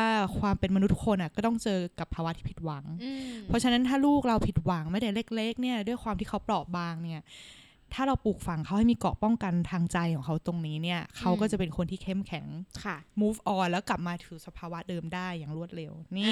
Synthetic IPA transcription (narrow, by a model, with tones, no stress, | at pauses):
a˥˩kʰwaː˧mpe˧nma˧nu˦˥t̪ʰːu˥kʰo˧nʔa˨˩kɔː˥˩t̪ɔ˥˩ŋt͡ɕɤː˧ka˨˩pʰːaː˧wa˦˥ʔ̪ʰiː˥˩pʰi˨˩t̪̚wa˩˦ŋpʰɔ˦˥t͡ɕʰa˧na˦˥nt̪ʰaː˥˩luː˥˩k̚ɾa˧wpʰi˨˩t̪̚wa˩˦ŋma˦˥˩t̪ɛ˨˩leː˦˥˩k̚le˦˥k̚ni˥˩ɐdu˥˩əjkʰwaː˧mt̪ʰiː˥˩kʰa˦˥wplɔː˨˩baː˧ŋni˦˥˩ɐ | t̪ʰaː˥˩ɾa˧wpuː˨˩k̚fa˧˩ŋkʰa˦wha˥˩jmiː˧kɔ̰ː˨˩pɔ˥˩ŋka˧nt̪ʰaː˧ŋt͡ɕa˧jkʰɔː˩˦ŋkʰa˦˥wt̪o˧ŋniː˦˥ni˥˩ɐkʰa˦˥wkɔː˥˩t͡ɕa˨˩pe˧nkʰo˧nt̪ʰiː˥˩kʰe˥˩mkʰɛ˨˩˦ŋkʰmuː˦˥fʔɔː˧lɛː˦˥wkla˨˩p̚maː˧t̪ʰɯː˩˦sa˧pʰaː˧wa˦˥dɤː˧mdaː˥˩jːaː˨˩ŋɾu˥˩ət̪̚ɾe˧wniː˥˩